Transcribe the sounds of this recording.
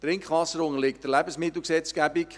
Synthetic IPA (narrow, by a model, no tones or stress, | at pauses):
t̪ɾɪŋkχʋɑsəɾʊŋəlɪktəlɛbəsmɪt̪l̩ˠksɛt͡skæbik